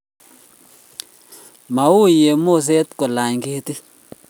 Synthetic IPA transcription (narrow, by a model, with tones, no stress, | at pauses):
ma˨wu˦je˨mo˦˨s̬e˦t̪ko˨la˨ɲki˦ti˦